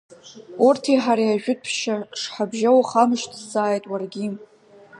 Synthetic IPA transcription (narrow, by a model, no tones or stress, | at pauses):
urtʰiħaɾajaʒᶣʊt̚pʰʃaʂħabʒawaχamɨʃtʰzaːjtʼwarɡʲi